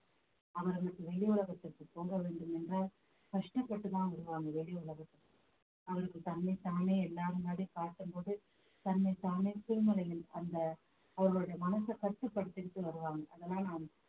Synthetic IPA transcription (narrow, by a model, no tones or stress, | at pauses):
ɐʋɐɾɯnɐkːɯʋɛɭɪʊɭɐɣɐt̪ːɪrkːɯpːoːɡɐʋeːɳɖɯmɛndraːl | kɐʂʈɐpːɐʈːɯt̪ːãːɪɾɯʋaːŋɡɐʋɛɭɪʊɭɐɣɐt̪ːɯɯ | ɐʋɐɾɯkːɯt̪ɐnmɐɪt̪aːneːɛlːaːɾɯmaːɽikaːʈːɯmboːɽɯ | t̪ɐnmɐɪt̪aːnesɪɾmɯlɐjɪlɐnd̪ɐ | ɐʋɐɾɣoːɽɐjɐmɐnɐsɐkɐt̪ːɐpːɐɽɯt̪ːɪɾɯt̪ːɯʋɐɾɯʋaːŋɡɐʔɐðɐlːãːnaːn